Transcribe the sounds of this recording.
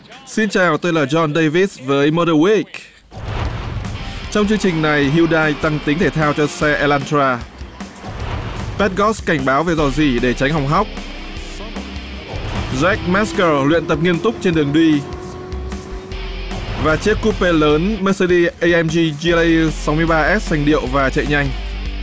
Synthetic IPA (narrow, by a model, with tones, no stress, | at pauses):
si˧nt͡ɕaː˨˩wt̪o˧jlaː˨˩zɔ˧nɗə˧jvi˦˥t̚svəː˨˦jmə˧ɗəː˧wi˦˥k | t͡ɕɔ˧wŋ͡mt͡ɕɨ˧əŋt͡ɕï˨˩ŋ̟na˨˩jɦi˧wɗaː˧jt̪a˧ŋt̪ï˨˦ŋ̟t̪ʰe˧˩t̪ʰaː˧wt͡ɕɔ˧sɛ˧ʔɛ˧laː˧nt̪aː˧ | pɛ˦˥t̚ɣɔ˦˥skːa˧˩jŋ̟ɓaː˨˦wve˨˩zɔ˨˩zi˧˩ɗe˧˩t͡ɕa˨˦jŋ̟ɦa˨˩wŋ͡mɦa˦˥wk͡p̚ | zɛ˦˥k̚mɛ˦˥skəː˧lwḭ˧˨ənt̪ə˨˩p̚ŋi˧ənt̪ʊ˦˥k͡p̚t͡ɕe˧nɗɨ˨˩əŋɗwi˧ | vaː˨˩t͡ɕi˦˥ət̚kːu˦˥pe˧ləː˨˦nmə˦˥sə˧ɗi˧ʔə˧jʔɛ˧mzi˧zi˧sa˨˦wmɨ˧əjɓaː˧ʔɛ˦˥t̚sa˨˩jŋ̟ɗḭ˧˨əwvaː˨˩t͡ɕə̰˧˨ɲa˧jŋ̟